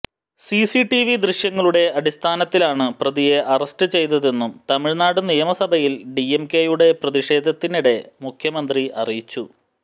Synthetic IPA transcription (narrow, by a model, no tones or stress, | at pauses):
sisiʈiʋid̪riɕjɐŋːɐɭuɽe̞ɐɽist̪ʰaːnɐt̪ːilaːɳɨprɐðije̞ʔɐrɐsʈɨt͡ɕe̞jt̪̬ɐðe̞nːumt̪ɐmiɻnaːɽɨnijɐmɐsɐbʱɐjilɖiemke̞juɽe̞prɐðiʂe̞ːd̪ʱɐt̪ːiniɽe̞mukʰjɐmɐnd̪riʔɐrijit͡ɕːu